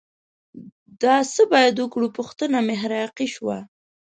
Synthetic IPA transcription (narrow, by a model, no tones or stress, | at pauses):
d̪ɑsəbɑjad̪ʊkɽupʊxt̪ənameɦaɾɑjɑqiʃwa